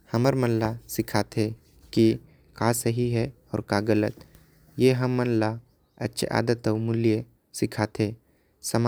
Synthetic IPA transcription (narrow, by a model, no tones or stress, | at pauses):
hɐməɾmɐnlasɪkʰat̪ʰɦe | ki | kaːsəɦiɦɛ | ɔ̰ːɾkaːɡələt̪ | jeːɦɐmːənla | ɐ̰tːʃʰḛʔa̰ːd̪ət̪ɔːmʊlije | sɪkʰaːt̪ʰẽː | sɐm